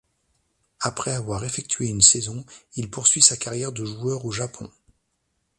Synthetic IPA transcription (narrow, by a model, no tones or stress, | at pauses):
apχɛavwaʁefɛk̚t̪ʰɥeynsɛzɔ̃ilpuʁsɥisakaʁjɛʁd̪əʒuœʁoʒapʰɔ̰̃